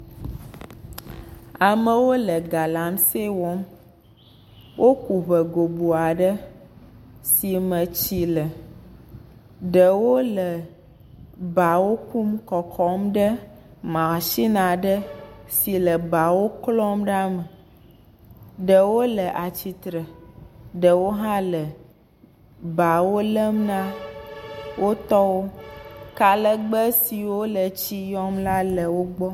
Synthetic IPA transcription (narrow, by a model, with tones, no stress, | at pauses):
a˨mə˨wo˦lə˨ɡa˨la˨˦mse˦wɔ˦m | wʔo˦ku˨βə˨ɡo˨bu˨a˨ɖə˦ | si˨mə̃˨t͡ɕi˨lə˨ | ɖə˨wo˦lə˨ | ba˨wo˦ku˦mkɔ˨kʰɔ˦mɖə˦ | mã˨ʃi˦nã˨ɖə˦si˨lə˨ba˨wo˦klɔ˦mɖa˦mə˨ | ɖə˨wo˦lə˨ʔa˨t͡ɕi˨t̪ɾə˨ɖə˨wo˦ɦã˦lə˨ | ba˨wo˦lə˦mnã˦ | wʔo˦t̪ɔ˦wo˦ka˨lə˦ɡ͡bə˦si˨wo˦lə˨t͡ɕi˦jɔ˦mla˦lə˨wo˦ɡ͡bɔ˦